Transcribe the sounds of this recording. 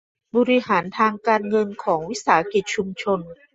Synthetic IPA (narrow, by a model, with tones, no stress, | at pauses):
bɔː˧ɾi˧haː˩˦nt̪ʰaː˧ŋkaː˧nŋɤ˧nkʰɔː˩˦ŋwi˦˥saː˩˦a˦ki˨˩t̪̚t͡ɕʰu˧mt͡ɕʰo˧n